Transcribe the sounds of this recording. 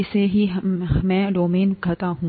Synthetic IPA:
ɪseɦimɛ̃ːɖoːmeːnkʰɐt̪aɦũː

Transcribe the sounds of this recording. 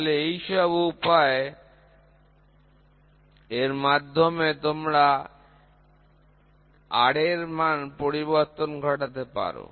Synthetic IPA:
leejʃɔbupae | eɾmad̪ʱːomet̪omɾa | a̰ɽeɾmanpoɾiβoɾt̪onɡʱɔʈat̪̬epa̰ɾo̰

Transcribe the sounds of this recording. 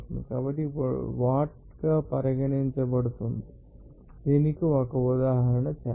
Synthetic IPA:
mḭkɐbɐʈːiʋaːʈ̚ | kɐpɐɾɐɡɐɳiɲt͡ʃɐpɐɽut̪ːund̪i | enikːɯʋɐkɐud̪aːɦɐɾɐɳɐt͡ʃa

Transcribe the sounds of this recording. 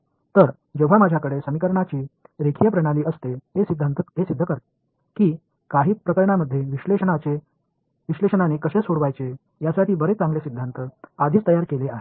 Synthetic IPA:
t̪əɾ | d͡ʑewʋamad͡ʑʱakəɽesəmikəɾɳat͡ɕiːɾekʰijəpɾəɽ̃aliːʔəst̪eɦesid̪ʱːant̪əɦesid̪ʱːəkəɾt̪e̥ | kiː | kaɦiːpɾəkəɾɳaməd̪ʱːjeʋileəɳat͡ɕe | ʋiɕleɕəɳaneːkəɕesoɽʋajt͡se | jasaʈʰiːbəɾet͡sãŋɡlesid̪ʱːant̪əad̪ʱiːt͡st̪əjaɾkeleaɦe

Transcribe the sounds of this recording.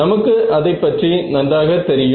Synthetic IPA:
ɐmɐkːɯʔɐðɐɪpːɐʈrinɐnɖaːɣɐt̪ːɛɾɪj

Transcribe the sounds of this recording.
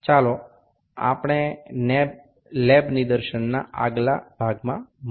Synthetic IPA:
t͡ʃalo | a̰pɽ̃eneb | lebnɪd̪əɾʃənːa̰aɡla̰b̥ʱaɡmãm

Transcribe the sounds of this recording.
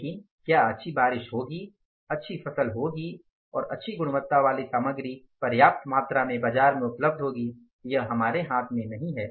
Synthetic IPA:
kĩ | kjaːɐtːʃʰibaːɾɪʃɦoːɡi | ɐtːʃʰifɐsəlɦoːɡi | ɔ̰ːɾɐ̰tːʃʰiɡʊɽ̃ʊʋət̪ːaʋaːlisaːməɡɾi | pɐɾjaːp̚t̪maːt̪ɾamẽbaːd͡ʒaːɾmẽʊpləb̚d̪ʱɦoːɡi | jɐɦɦɐmaːɾeɦaːt̪ʰmẽnɐɦĩɦɛː

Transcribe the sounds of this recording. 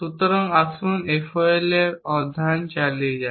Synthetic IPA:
sut̪ɔɾɔŋasunefʰɔeleɾɔd̪ʱant͡ʃalied͡ʒa

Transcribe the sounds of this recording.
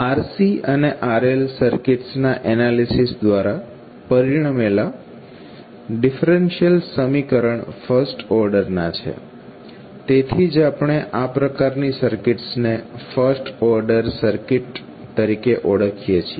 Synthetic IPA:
aɾsiəneʔaɾelsəɾkɪʈsnaʔɛnalisisd̪ʋaɾa | pəɾiɽ̃amela | ɖifɾenʃiəlsəmikəɾəɳfəɾsʈɔɾɖəɾnat͡ʃʰḛ | t̪et̪ʰid͡ʒapɳ̃eʔapɾəkaɾnisəɾkɪʈsnefəɾsʈɔɾɖəɾsəɾkɪʈ | t̪əɾikeʔoɽəkʰijet͡ʃʰie

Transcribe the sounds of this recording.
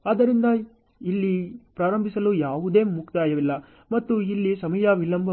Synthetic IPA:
aːd̪ɐɾind̪ɐ | ilːipɾaːɾɐmbʱisɐlujaːʋud̪e̞ːmukt̪aːjɐʋilːɐ | mɐt̪ːuilːisɐmɐjɐʋilɐmbʱɐ

